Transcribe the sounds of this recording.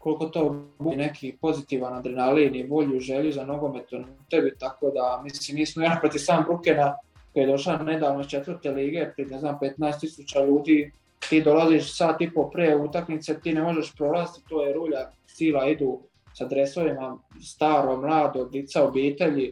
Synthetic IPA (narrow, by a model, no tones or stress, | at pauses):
koliko̞t̪oːbunekʰipo̞zit̪iːʋanad̪ɾinalinibo̞ʎuʒe̞ʎuzano̞ɡo̞me̞t̪onut̪ebit̪ako̞ːd̪amisliːmniːsmoenapɾot̪isaːmbɾukena | kojejd̪o̞ʃlane̞d̪aːʋnoist͡ʃet̪ʋɨɾt̪eliːɡe̞pɾineznaːmpet̪naest̪isut͡ɕaʎuːd̪iː | t̪iːd̪o̞laziːʃsaːt̪ipo̞pɾeut̪aknit̪set̪iːnemo̞ʒe̞ʃpɾolˠast̪it̪oːjeɾuːʎa | siːlaid̪uː | sad̪ɾe̞so̞ʋimast̪aːɾoɡmlˠaːd̪od̪it̪saobiːt̪e̞ʎi